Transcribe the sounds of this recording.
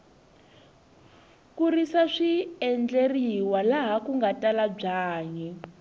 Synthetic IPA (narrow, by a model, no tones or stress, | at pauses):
kurisaʂiɛnd͡ɮeriwalaɦakuŋɡatalab͡ʐaːɲɛ